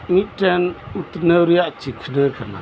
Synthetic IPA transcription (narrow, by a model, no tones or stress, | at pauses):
ŋiʈɛnut̪nəwɾijaʔt͡ʃikʰnəkʰana̰